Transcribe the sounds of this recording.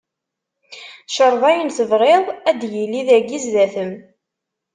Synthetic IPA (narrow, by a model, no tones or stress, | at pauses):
ʃəɾˤðˤæjənθəvʁeðˤæd̪jilːiðæɡizðæθəm